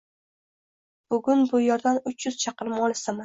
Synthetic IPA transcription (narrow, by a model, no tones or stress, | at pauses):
b̥ʊɡʲʊnbʊjɒɾd̪anʊt͡ʃʰjʊz̥t͡ʃʰɑqɨɾɪmɒlˠɪsama